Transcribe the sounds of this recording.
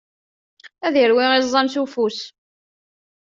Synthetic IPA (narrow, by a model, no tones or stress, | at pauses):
æðiəɾwɪʁizˤːɑmsufus